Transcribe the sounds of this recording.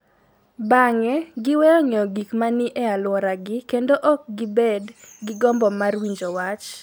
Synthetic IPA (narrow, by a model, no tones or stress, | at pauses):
baŋɛɡɪwɛɔɲɔɡikmanɪʔɛalwɔɾaɡɪkendoʔɔk̚ɡɪbedɡɪɡɔmbɔmarwiɲd͡ʒɔwat͡ʃ